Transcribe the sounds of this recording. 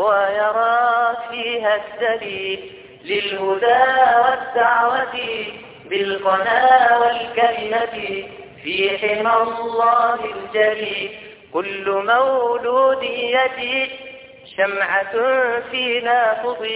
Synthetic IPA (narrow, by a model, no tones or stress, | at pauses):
wajɑɾˤɑːfiːɦad̪ːaliː | lɪlhʊd̪aːwad̪ːaʕwat̪ɪ | bɪlqɑnaːwalkalɪmat̪fiːħɪmalˤːɑːhɪld͡ʒaliːl | kʊlːʊmawluːd̪ɪjːat̪ɪ | ʃamʕafiːnaːfɨd̪ˤ